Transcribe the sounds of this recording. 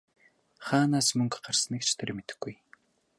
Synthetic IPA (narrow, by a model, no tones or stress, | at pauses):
χaːnaːsmɵŋkɢarsə̆nikt͡ɕʰt̪ʰeɾ̆ʲmet̪ɘ̥̆xɡuj